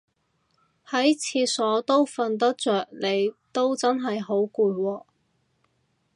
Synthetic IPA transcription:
hɐ˨˥jt͡sʰiː˧sɔː˨˥t̪o˥wfɐ˧nt̪ɐ˥k̚t͡ʃœː˨k̚le˨˧jt̪o˥wt͡sɐ˥nɦɐ˨jɦo˨˥wkuː˧wɔː˧

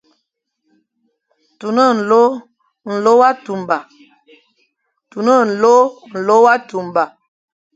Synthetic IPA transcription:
tu˨nə˦n̩˨lo˦ | n̩˨lo˦wa˦tu˨mba˨ | tu˨nə˦n̩˨lo˦n̩˨lo˦wa˦tu˨mba˨

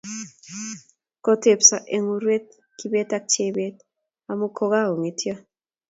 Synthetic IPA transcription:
kɔ˦te˨psa˨ʔe˨ŋu˦ɾwe˦t̪̚ | ki˦be˦t̪a˦k̚t͡ʃe˦be˦t̪̚ | a˨mu˦kʰo˦ɡa˦o˨ŋi˨tʰja˦

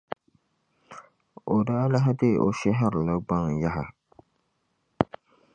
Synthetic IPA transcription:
o˨daː˦la˦ɦa˦de˦˨ʔo˨ʃɛ˦ɦɪ˦ɾla˦ɡ͡ba˦ŋ˨ja˦ɦa˨

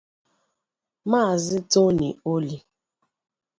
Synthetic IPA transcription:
maː˦˨zɪ˦to˦nḭ˨o˦li˦

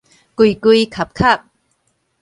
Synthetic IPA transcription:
ku˧˩jku˧jkʰɐ˨˩p̚kʰɐ˥˩p̚

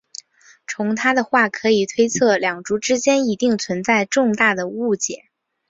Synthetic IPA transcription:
t͡sʰʊ˧˥ŋt̪ʰa˥d̪ə˨xwa˥˩kʰɤ˧˥i˨˩t̪ʰwe˥ɪt͡sʰɤ˥˩ljɑ˨˩ŋʈ͡ʂu˧˥ʈ͡ʂɻ̩˥t͡ɕjɛ˥ni˧˥t̪i˥˩ŋt͡sʰwə˧˥nt͡sa˥˧ɪʈ͡ʂʊ˥˧ŋt̪a˥˩d̪ə˩u˥˩t͡ɕjɛ˨˩˦

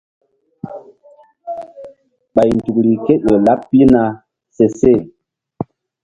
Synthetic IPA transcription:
ɓa˨jn̩˨tu˨kɾi˨ke˦ɗo˨la˦pːi˦na˨ | se˨se˦˨

